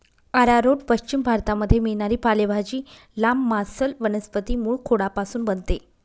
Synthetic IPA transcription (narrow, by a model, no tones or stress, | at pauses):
əɾaɾoʈpəɕt͡ɕimbʱaɾt̪aməd̪ʱːjemiɭɳaɾiːpalebʱad͡ʑiː | lamːasəlʋənəspət̪iːmuːɭkʰoɽapasuːnbənt̪e